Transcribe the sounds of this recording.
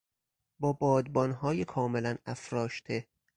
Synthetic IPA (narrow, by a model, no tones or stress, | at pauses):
bɒːbɒːd̪̚bɒːnɦɒːjekʰɒːmelænæfɾɒːʃt̪ʰe